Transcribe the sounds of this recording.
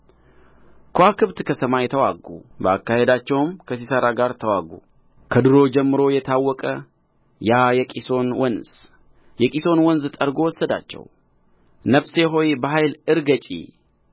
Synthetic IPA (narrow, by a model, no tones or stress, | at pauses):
kʰoakɨβt̪kʰəsəmajɛt̪ʰəwa̰ɡːṵbəa̰kːahed̪at͡ʃːɛwmkʰəsisəɾaɡaɾt̪ʰəwaɡṵ | kʰəd̪ɨɾo̞d͡ʒɛmːɨɾo̞jɛt̪ʰawːɔkʼə | jajɛkʼiso̞nwɔnz̥ | jɛkʼiso̞nwɔnzt̪ʼəɾɡo̞wɔsːəd̪a̰t͡ʃːɛ̰w | nəfseɦo̞jbəɦajlɨɾɡət͡ʃʼḭ